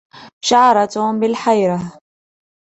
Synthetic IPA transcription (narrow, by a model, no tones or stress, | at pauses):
ʃaʕɾˤɑt̪bɪlħajɾɑ